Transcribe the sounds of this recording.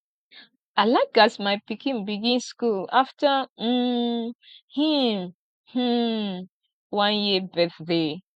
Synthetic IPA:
aɪlaɪk̚ɡasmaɪpikʰĩnbiɡĩnskulaftəm̩ | him | h̩ | wãnjibɛθde

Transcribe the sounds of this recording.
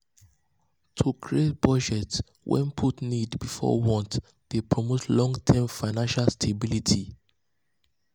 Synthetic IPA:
tʰukʰɹietb̥ɔd͡ʒɛts | wʔɛ̰̃npʰutnidbifɔ̰wɔ̃nt | d̥epʰɹɔmotlɔ̃ŋɡtʰɛmfaɪnãnʃalstʰebilitʰi

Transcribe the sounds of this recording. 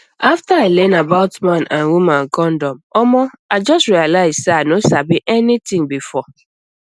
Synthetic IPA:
aftaaɪlɛ̃nabaʊtmãnãnwumãnkʰɔ̃ndɔ̃mɔmɔaɪd͡ʒɔstɹialaɪzseaɪnosabiʔɛnitĩŋbifɔ

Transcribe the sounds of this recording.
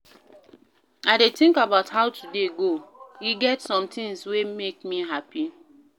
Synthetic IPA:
adetĩŋkabaʊthaʊtʰudeɡojiɡɛtsɔ̃mtĩŋswemekmiɦapi

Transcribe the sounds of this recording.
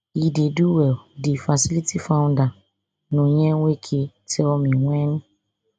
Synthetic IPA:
ideduwɛdifasilitifãʊ̃nda | nõɲɛwʷekʰe | tɛɔmĩŋʷɛ̃nʊ̃

